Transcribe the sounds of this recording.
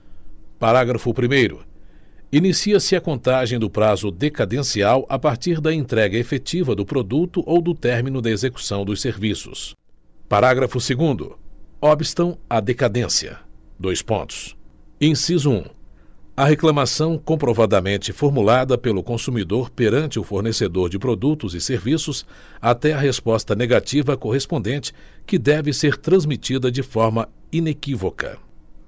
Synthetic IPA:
paɾaɡɾɐfʊpɾimejɾʊ̰ | inisiɐsɪɐkõnt̪aʒẽj̃d̪ʊpɾazʊd̪ekad̪ẽsiawʔapaɾt͡ʃiɾd̪ɐẽnt̪ɾɛɡɐefet͡ʃivɐd̪ʊpɾod̪ut̪ʊʔowd̪ʊt̪ɛɾmĩnʊd̪ɐezeku̥sɐ̃w̃d̪ʊseɾvisʊ̰s | paɾaɡɾɐfʊseɡũnd̪ʊ̰ɔbist̪ɐ̃w̃ɐd̪ekad̪ẽsiɐ̰d̪ojspõ̰nt̪ʊ̥sẽj̃sizʊṵ̃ | ɐɦeklɐ̃masɐ̃w̃kõpɾovad̪ɐmẽnt͡ʃɪfoɾmulad̪ɐpelʊkõsumid̪oɾpeɾɐ̃nt͡ʃɪʊfoɾnesed̪oɾd͡ʒɪpɾod̪ut̪ʊzɪseɾvisʊs | at̪ɛɐɦespɔst̪ɐneɡat͡ʃivɐkoɦespõnd̪ẽnt͡ʃɪ̥ | kɪd̪ɛvɪseɾt̪ɾɐ̃zmit͡ʃid̪ɐd͡ʒɪfɔɾmɐ | inekivokɐ̰

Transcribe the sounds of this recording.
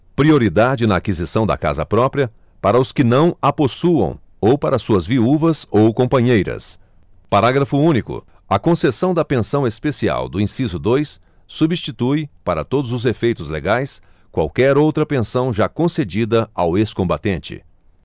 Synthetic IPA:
pɾioɾid̪ad͡ʒɪnɐakizisɐ̃w̃d̪ɐ̰ka̰zɐ̰pɾɔpɾiɐ | paɾɐʊskɪnɐ̃w̃aposuɐ̰̃w̃ | owpaɾɐsuɐzviuvɐzowkõmpɐ̃ɲejɾɐ̰s | paɾaɡɾɐfʊũnikʊ̰ | ɐkõsesɐ̃w̃d̪ɐpẽsɐ̃w̃espesia̰wd̪ʊĩsizʊd̪ojsː | ubist͡ʃit̪ujpaɾɐ̰t̪od̪ʊzʊzefejt̪ʊzlḛɡajs | kwa̰wkɛɾowt̪ɾɐpẽsɐ̃w̃ʒakõsed͡ʒid̪ɐaweskõmbat̪ẽt͡ʃɪ̰

